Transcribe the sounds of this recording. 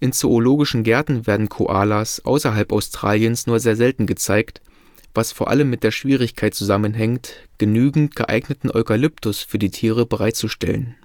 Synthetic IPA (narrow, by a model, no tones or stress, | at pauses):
ʔɪnt͡sooloːɡɪʃn̩ɡɛɐtn̩veːɐdn̩kʰo̰ʔaːlasʔa̰ʊsɐɦalpaʊstʁ̥a̰ːljənsnuːɐzeːɐzɛltn̩ɡət͡saɪkt | v̥asfoːɐʔa̰ləmːɪt̚d̥eːɐʃv̥iːʁ̞ɪçkʰaɪtt͡suzamənɦɛŋktɡ̥ənyːɡŋ̩tɡ̥əʔa̰ɪɡnətn̩ʔɔʏkalʏptʰʊsfyːɐdiːtʰiːʁ̞əbəʁaɪt̚t͡suʃtɛ̰lə̰n